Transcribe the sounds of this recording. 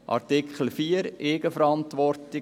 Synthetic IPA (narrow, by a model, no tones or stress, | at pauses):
ʔɑ̰rtɪkχl̩fiːəɾeːɡəfəɾɑntʋɔrtɪ